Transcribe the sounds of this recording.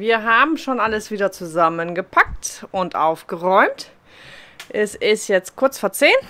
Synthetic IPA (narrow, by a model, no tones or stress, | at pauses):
viːɐɦaːbm̩ʃoːnʔaləsv̥iːdɐt͡suzamənɡəpʰak̚tʔʊntʔa̰ʊfɡ̥əʁɔʏmt | ʔɛsɪstjɛt͡st̚kʰʊɐt͡sfoːɐt͡seːn